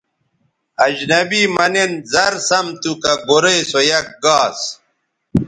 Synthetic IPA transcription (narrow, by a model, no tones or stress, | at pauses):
ɐd͡ʑnɐbimɐnenzɐɾsɐmt̪ukɐɡoɾejsojɐk̚ɡaːs